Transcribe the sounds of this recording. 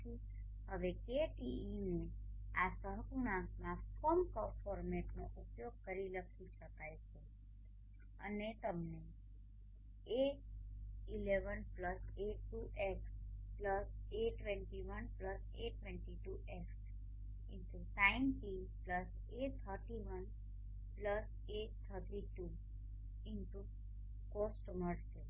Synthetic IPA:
i | ɦəʋekeʈiineasəɦkunamãkɔmkəfɔɾmeʈnoʔupjoɡ̚kəɾiləkʰit͡ʃʰəkajt͡ʃʰe | ə̰net̪əmne | e | ileʋənpləseʈːuʔekspləseʈʋẽɳʈiʋənpləs | ḛʈːʋẽɳʈiʈuʔek | ɪɳʈunãɪnʈi | pləs | et̪ʰəɾʈiʋən | pləs | eːt̪ʰəɾʈiʈu | ɪɳʈu | kosʈməɾt͡ʃe

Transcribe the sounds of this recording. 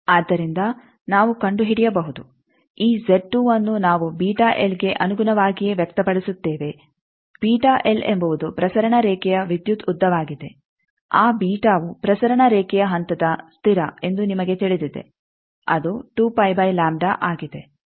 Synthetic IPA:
aːd̪ːɐɾind̪ɐ | naːʋukɐɳɖuɦiɽijɐbɐɦud̪u | iːd͡ʒeʈːuɐnːunaːʋubiːʈaːʔelɡe̞ʔɐnuɡunɐʋaːɡijeʋjɐk̚t̪ɐpɐɽisut̪ːeːʋe̞ | b̥iːʈaːʔelembɐʋud̪upɾɐsɐɾɐɳɐɾɛːkɛjɐʋid̪jut̪ud̪ːɐʋaːɡid̪e̞ | aːbiːʈaːʋupɾɐsɐɾɐɳɐɾɛːkɛjɐɦɐnt̪ɐd̪ɐst̪ʰiɾɐe̞nd̪unimɐɡe̞t̪iɭid̪id̪e̞̰ | ɐd̪uʈuːpɐjbɐjlaːmɖaːʔaːɡid̪e̞

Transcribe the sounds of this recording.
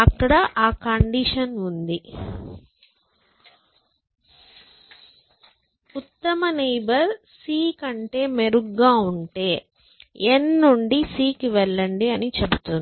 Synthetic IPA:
ɐkːɐɽɐʔaːkɐɳɖiʂɐnund̪i | ut̪ːɐmɐnejbɐɾ | siːkɐɳʈe̞ːmeɾuɡːaːuɳʈe̞ː | enːuɳɖisiːkiʋɛɭːɐɳɖiɐnit͡ʃebut̪und̪i

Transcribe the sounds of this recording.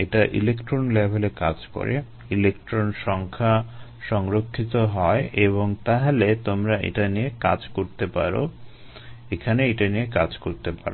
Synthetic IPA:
eʈaʔilekʈɾonlebʱeleka̰d͡ʑko̰ɾḛ | ilekʈɾonʃɔŋkʰa | ʃɔŋɾokʰːit̪oɦɔeʔeβoŋt̪aɦalet̪omɾaʔḛʈanijeka̰d͡ʑkoɾt̪epa̰ɾo̰ | ekʰaneeʈanijekad͡ʑkoɾt̪epa̰ɾo

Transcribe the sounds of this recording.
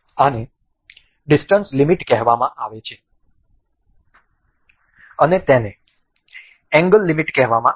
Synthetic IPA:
ane | ɖisʈənslimiʈkɛɦʋamãʔaʋet͡ʃʰe | ənet̪ɛne | ɛ̃ŋɡəlːimiʈkɛɦʋamã

